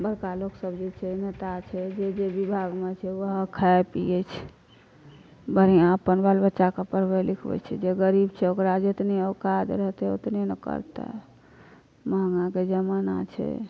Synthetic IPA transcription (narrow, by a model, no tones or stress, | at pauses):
bəɾkaloksəbd͡ʒet͡ʃʰɛnet̪at͡ʃʰɛd͡ʒed͡ʒebibʱaɡmet͡ʃʰɛwəɦkʰaepḭjet͡ʃʰ | bəɾiãəpənbalbətːʃakəpəɾbelikʰbɛ̰t͡ʃʰɛ̰d͡ʒeɡəɾibt͡ʃʰɛokɾad͡ʒet̪neokad̪ɾəɦt̪ɛo̰t̪nenəkə̰ɾt̪a̰ | məɦŋãked͡ʒəmana̰t͡ʃʰɛ̰